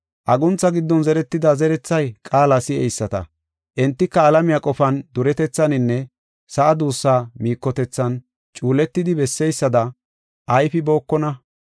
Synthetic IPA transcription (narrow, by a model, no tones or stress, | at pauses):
ʔɐɡʊnt͡sːɐɡɪd̪ːɔnzɛɾɛt̪ːɪd̪ɐzɛɾɛt͡sːɐjkʼaːlasɪɛjsːɐt̪ɐ̰ | ʔɛnt̪ːɪkːɐːlɐmɪjakʼɔfɐnd̪ʊɾɛt̪ɛt͡sːɐnɪnːɛ | sɐʔɐd̪uːsːaːmiːkːɔt̪ɛt͡sːɐn | t͡ʃʼuːlɛt̪ːɪd̪ɪbɛsːɛjsːɐd̪ɐ | ʔɐjfɪbo̞ːkːɔnɐ